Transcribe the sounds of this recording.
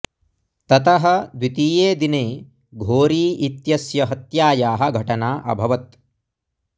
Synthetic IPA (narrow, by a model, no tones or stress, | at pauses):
t̪ɐt̪ɐɦɐ̆d̪wit̪iːjeːd̪ineː | ɡʱoːɾiːit̪jɐsjɐɦɐt̪jaːjaːɦɐ̆ɡʱɐʈɐnaːʔɐ̰bʱɐʋɐt̪̚